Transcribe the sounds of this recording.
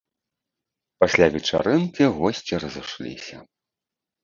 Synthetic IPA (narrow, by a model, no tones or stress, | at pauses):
pasʲlʲavʲɛt͡ʂa̰ɾɨnkʲiɣɔsʲt͡sʲiɾɐzɨʂlʲḭsʲɐ